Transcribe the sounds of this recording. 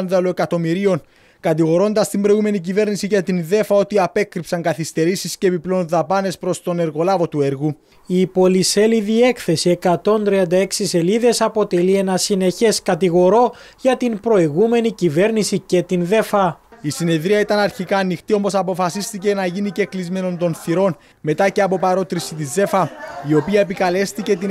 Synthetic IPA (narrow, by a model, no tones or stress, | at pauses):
nðɐloe̞kɐt̪o̞miɾio̞n | kɐt̪iɣo̞ɾo̞nd̪ɐst̪imbɾo̞jɣume̞nicive̞ɾnisiʝet̪inðe̞fɐo̞t̪iɐpe̞kɾipsɐŋɡɐθist̪e̞ɾisisce̞ːpiplonðɐpɐne̞spɾo̞st̪o̞ne̞ɾɣo̞lɐvo̞t̪ue̞ɾɣu | ipo̞lise̞liðie̞kθe̞sie̞kɐt̪o̞nt̪ɾiɐnd̪ɐe̞ksise̞liðe̞sɐpo̞t̪e̞lie̞nɐsine̞çe̞skɐt̪iɣo̞ɾo̞ | ʝɐt̪inpɾo̞iɣume̞nicive̞ɾnisice̞t̪inðe̞fɐisine̞ðɾiɐit̪ɐnɐɾçikɐːnːixt̪io̞mo̞sɐpo̞fɐsist̪ice̞nɐʝinice̞klizme̞no̞nt̪o̞nθiɾo̞n | me̞t̪ɐce̞ɐpo̞pɐɾo̞t̪ɾisit̪̬ize̞fɐio̞piɐe̞pikɐle̞st̪ice̞t̪i